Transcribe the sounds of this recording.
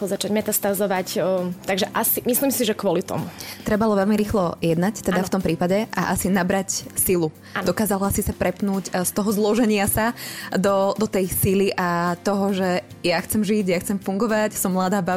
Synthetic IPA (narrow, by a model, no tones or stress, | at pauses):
ɔzat͡ʃaɟmɛt̪ast̪azɔʋact̪aɡʒɛʔasimisliːmsiʒɛkʋʊɔlit̪ɔ̰mut̪ɾɛbalɔʋɛlmiɾiːxlɔjɛd̪nact̪ɛd̪aft̪ɔmpɾiːpaɟɛʔa̰ʔasinabɾacsilu | nɔkaːzalɔasisapɾɛpnuːcst̪ɔɦɔzlɔʒɛɲɪasad̪ɔd̪ɔt̪ɛjsiliʔat̪ɔɦɔʒɛ | jaxt͡sɛmʒiɟjaxt͡sɛmfuŋɡɔʋacsɔmːlad̪aːba